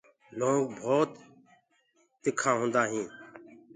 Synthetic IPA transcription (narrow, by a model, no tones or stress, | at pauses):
loːɡbʱoːt̪ | ɪkʰãːɦʊ̃ːnd̪aːɦĩː